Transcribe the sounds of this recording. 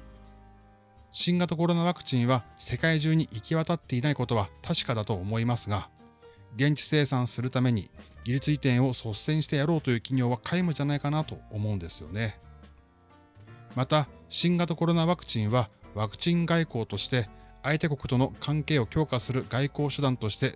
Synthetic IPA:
ɕĩŋɡat̪oko̞ɾo̞naβakɯ̥t͡ɕĩɰ̃βase̞kaiʑɨːɲ̟iʔikʲiβat̪at̪ːe̞inaikot̪o̞β̞at̪ʰaɕi̥kad̪at̪o̞ːmo̞imasɨɡa | ɡẽ̞ɲ̟t͡ɕi̥se̞ːsãɰ̃sɨɾɯ̟t̪ame̞ɲ̟ḭɡʲiɾʲit͡sɨit̪ẽ̞ɰ̃o̞so̞sẽ̞ɰ̃ɕi̥t̪e̞jaɾo̞ːt̪o̞jɯ̟ːkʲiɲ̟o̞ːβakʰaimɯ̟d͡ʑanaikanat̪o̞ːmo̞ɯ̃nd̪e̞sɨjo̞̰ne̞ | mat̪aɕĩŋɡat̪oko̞ɾo̞naβakɯ̟̥t͡ɕĩɰ̃βaβakɯ̟̥t͡ɕĩŋɡaiko̞ːt̪o̞ɕi̥t̪e̞ait̪e̞ko̞kɯ̟̥t̪o̞no̞kʰãŋke̞ːo̞kʲo̞ːkasɨɾɯ̟ɡ̥aiko̞ːɕɨd̪ãnt̪o̞ɕi̥t̪e̞

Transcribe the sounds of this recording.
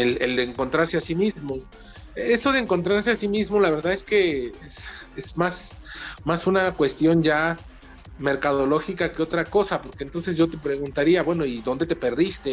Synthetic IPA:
eleld̪eːŋko̞nt̪ɾaɾse̞asimizmo̞ | eso̞ð̞e̞ːŋko̞nt̪ɾaɾse̞asimizmo̞laβe̞ɾðaðe̞ske̞es | ezmas | masunakwe̞st̪jo̞nd͡ʒa | me̞ɾkaðo̞lo̞xikakeo̞t̪ɾako̞sapo̞ɾke̞nt̪o̞ns̬e̞zʝo̞t̪e̞pɾe̞ɣunt̪aɾiaβwe̞no̞iðo̞nd̪e̞t̪e̞pe̞ɾðist̪e̞

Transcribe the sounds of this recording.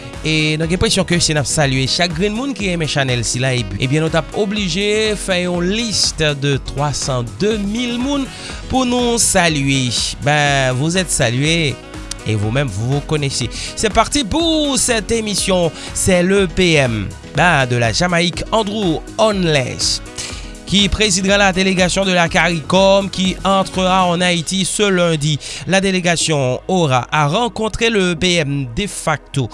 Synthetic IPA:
ed̪ɔ̃k̬ɛ̃pχɛsjɔ̃kəsenapsalɥeʃak̚ɡʁĩnmũnkiɛmɛ̃ʃanɛlsilaebyḛbjɛ̃nɔt̪apobliʒefɛʁỹlist̪d̪ət̪χwasɑ̃d̪ømilmũn | puʁnusalyebɛ̃vuzɛt̪salɥe | evumɛ̃mvuvukonesesɛpaʁt̪ipuʁsɛt̪emisjɔ̃ | sɛləpeɛm | bɛd̪əla̰ʒamaikɑ̃d̪ʁuɔnlɛ̰ʃ | kʲipχezid̪ʁalad̪eleɡasjɔ̃d̪əlakaʁikɔmkʲiɑ̃t̪χəʁaɑ̃nait̪isəlɛ̃d̪ilad̪eleɡasjɔ̃oʁaʔaʁɑ̃kɔ̃t̪χeləbeɛmd̪efak̚t̪o

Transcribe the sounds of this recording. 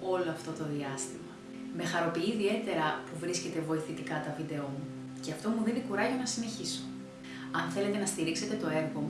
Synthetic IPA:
o̞lo̞ɐft̪o̞t̪o̞ðiɐst̪imɐ | me̞xɐɾo̞piiːðie̞t̪e̞ɾɐpuvɾisce̞t̪e̞vo̞iθit̪ikɐt̪ɐvid̪e̞o̞mu | ce̞ɐft̪o̞muðiðikuɾɐʝo̞nɐsine̞çiso | ɐnθe̞le̞t̪e̞nɐst̪iɾikse̞t̪e̞t̪o̞e̞ɾɣo̞mu

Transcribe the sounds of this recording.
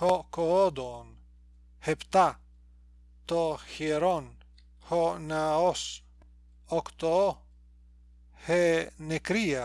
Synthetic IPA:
hokood̪on | hept̪a | t̪ohjeɾɔn | honaɔs | ɔkt̪o | henekɾia

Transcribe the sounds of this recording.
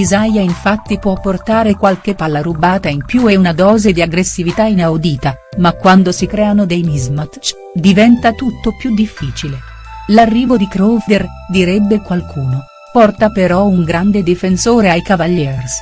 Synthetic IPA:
izajaiɱfat̪ːipwɔpːort̪aːɾekwalk̟epːalːarubaːt̪aimpjueunad̪ɔːzed̪iaɡɾesːivit̪ainawd̪iːt̪a | makːwand̪osikɾɛːanod̪ejmizmat̪t͡ʃ | d̪ivɛnt̪at̪ut̪ːopjud̪ifːiːt͡ʃile | larːiːvod̪ikɾofd̪er | d̪iɾɛbːekwalkʰuːno | pɔrt̪apeɾɔuŋɡɾand̪ed̪ifensoːɾeajkavaʎːɛrs

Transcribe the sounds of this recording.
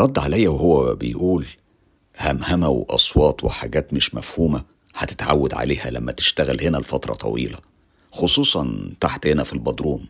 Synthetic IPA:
ɾˤɑd̪ːʕalæjːæwehowːæbḛjʔuːl | hæmhæmæwḛʔɑ̰sˤwɑːt̪weħaːɡæːt̪meʃmæfhuːmæ | ħæt̪e̥t̪ʕa̰wːæd̪ʕa̰leːhæ̰læmːæt̪e̥ʃt̪æɣælhenælfɑt̪ɾˤɑ̰t̪ˤʰɑ̰wḭːlæ | xosˤuːsˤɑnt̪aħt̪henæfilbɑd̪ɾuːm

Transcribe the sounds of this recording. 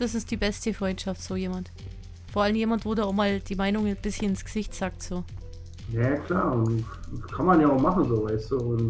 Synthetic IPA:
d̥asɪst̚d̥iːbɛstəfʁ̥ɔʏntʃaftz̥oːjeːmant | foɐʔaləmjeːmantv̥oːduɐaʊxmaːld̥iːmaɪnʊŋb̥ɪsçənɪnsɡ̥əz̥ɪçtz̥aːk̚tz̥oː | jaakʰl̥aːʊnkʰanmanjaːaʊχmaχn̩zoːvaɪstuːʊn

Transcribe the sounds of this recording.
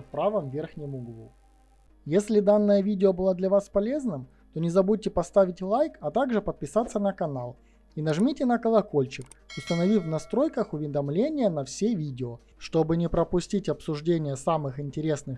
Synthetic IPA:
t̪̚pɾavəmvʲerxnʲɪmʊɡlˠṵ | jesʲlʲɪd̪anːəjəvʲidʲɪobɨlˠad̪lʲɐvaspɐlʲe̞znɨm | t̪o̞nʲɪzɐbud̚ʲtʲɪpɐst̪avʲɪtʲlˠajkɐt̪aɡʐɨpət̪̚pʲɪsat̪sːənɐkɐnalˠ | inɐʐmʲitʲɪnəkəlˠɐko̞lʲt͡ɕɪk | ʊst̪ənɐvʲivnɐst̪ɾo̞jkəxʊvʲɪd̪ɐmlʲenʲɪjənɐfsʲevʲidʲɪo | ʂt̪o̞bɨnʲɪpɾəpʊsʲtʲitʲɐpsʊʐdʲenʲɪjəsamɨxɪnʲtʲɪɾʲesnɨx

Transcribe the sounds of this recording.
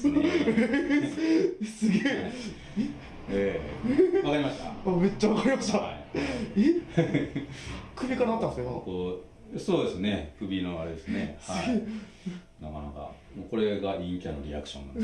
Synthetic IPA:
sɨɡeː | e | eː | βakaɾʲimaɕt̪a̰ame̞t͡ɕːaβakaɾʲimaɕt̪aae | kɯ̟bʲikaɾat̪ːãnsko | so̞ːd̪esɨne̞kɯ̟bʲino̞aɾe̞d̪e̞sɨne̞hsaɨɡeː | nakanaka̰ | moko̞ɾe̞ɡaĩŋkʲano̞ɾʲia̰kɯ̥ɕõnːa

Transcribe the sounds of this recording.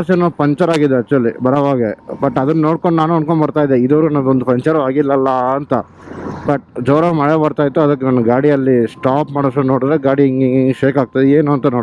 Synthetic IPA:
aɾsɐnopɐɲt͡ʃɐɾaːɡid̪ːeɐt͡ʃːuɐlːibɐɾɐʋaːɡebɐʈːɐd̪ɐnɐnoːɽkoɳɖnaːnuɐɳkoɳbɐɽt̪aːjid̪eid̪ɐʋɐɾunːond̪upɐɲt͡ʃɐɾaːɡilːɐlːɐɐnt̪ɐ | bɐʈ̚d͡ʒɐːɾɐmɐɭebɐɾt̪aːjt̪ːuɐd̪ɐkːenanːɐɡaːɽiɐlːisʈaːpmaːɽɐsɐnoːɽd̪ɾeɡaːɽiŋɡiʃeːkaːɡ̚t̪id̪eeːnuɐnt̪ɐnoːɽ

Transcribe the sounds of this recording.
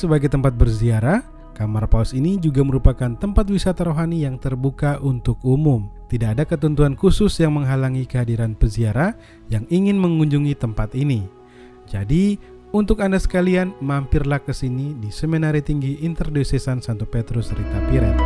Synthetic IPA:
səbaɡajt̪əmpat̪̚bərziaɾah | kamarpausinid͡ʒuɡaməɾupakant̪əmpat̪̬̚wisat̪aɾoɦanijaŋt̪ərbukaʔunt̪ʊk̚umʊmt̪idaʔːdakət̪ɔnt̪uankusʊsjaŋməŋɦalaŋikəɦadiɾanpəziaɾah | jaŋiŋɪnməŋuɲd͡ʒuŋit̪əmpat̪ini | d͡ʒadi | unt̪ʊkandasə̥kalianmampɪrlahkəsinidisəminaɾit̪iŋɡiʔːnt̪ərdisesansant̪opet̪ɾʊsrit̪apiɾɛt̪

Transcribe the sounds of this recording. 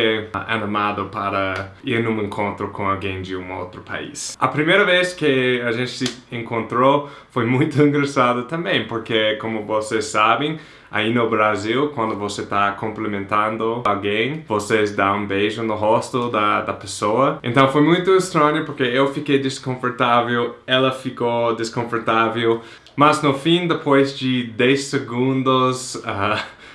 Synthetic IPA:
ea̰nimad̪ʊpaɾɐiɾnũẽŋkʰõnt̪ɾʊkõalɡẽj̃d̪ɪũo̰wt̪ɾʊpa̰ḭsɐpɾimejɾɐveskɪɐʒẽnt͡ʃ̪ɪ̥sɪẽŋkõnt̪ɾo | fojmũj̃t̪ʊĩŋɡɾasad̪ʊt̪ɐ̃mbẽj̃poɾkekõmʊvosesːabẽj̃ | a̰inʊbɾazilkwɐ̃nd̪ʊvoset̪akõmplemẽnt̪ɐ̃nd̪ʊalɡẽj̃vosezd̪aũbejʒʊnʊɦost̪ʊd̪ɐd̪ɐpesoɐḛ̃nt̪ɐ̃w̃fojmũj̃t̪ʊest̪ɾɐ̃ɲʊpoɾkeewfikejd̪eskõfoɾt̪avewɛlɐfikod̪eskõfoɾt̪avew | mɐznʊfĩnd̪epʰojzd͡ʒɪd̪ɛjseɡũnd̪ʊsa

